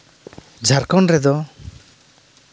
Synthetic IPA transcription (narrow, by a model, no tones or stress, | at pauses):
d͡ʒʱaɾkɔnɾɛd̪ɔ